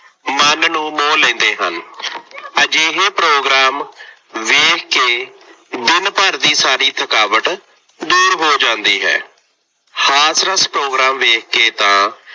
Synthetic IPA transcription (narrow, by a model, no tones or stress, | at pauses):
mənnũːmõːlẽːnd̪eːɦə̰n | əd͡ʒeːɦeːpɾoːɡɾaːm | ʋeːkʰkeː | d̪ɪnpəɾd̪iːsaːɾiːt̪ʰəkaːʋəʈ | d̪uːɾɦoːd͡ʒãːnd̪iːɦɛ̰ː | haːsɾəspɾoːɡɾaːmʋeːkʰkeːt̪ãː